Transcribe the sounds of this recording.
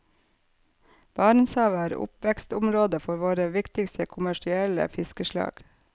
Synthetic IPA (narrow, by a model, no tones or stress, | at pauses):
b̥ɑːɾɳsɑːʋæːɾʊ̰pʋɛkst̪ʊmɾoːd̪əfɔɾʋoːɾəʋɪkt̪ɪkst̪ʰəkʰʊmæʃɪɛlə̰fɪskəʃlɑ̰ːɡ̥